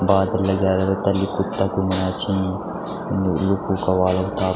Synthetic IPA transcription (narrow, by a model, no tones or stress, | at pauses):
baːd̪ɐlːɐɡaːɾɐɾɐt̪ɐlːikut̪ːɐkumɐnaːt͡ʃʰĩ | nilukuːkɐʋaːlɐwt̪aː